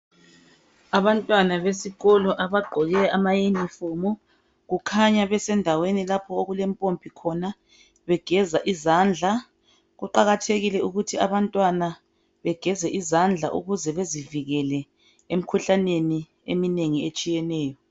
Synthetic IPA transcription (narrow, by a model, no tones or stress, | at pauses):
aβantʼwanaβesiɣɔlɔʔaβaɡ͡ǃʱɔɣɛamajinifumu | ɣukʰaɲaβɛsɛndʱawenilapʰɔoɣulɛmpʼompʰʼikʰɔna | βɛɡ̥ʱɛzaʔizand͡ɮʱa | ɣuǃaɣatʰeɣilɛuɣutʰiaβantʼwana | βɛɡ̥ʱɛzɛʔizand͡ɮʱa̰ʔṵɣuzɛβeziviɣɛlɛ | em̩kʰuɬaneni | emineŋiet͡ʃʼijɛnɛːjɔ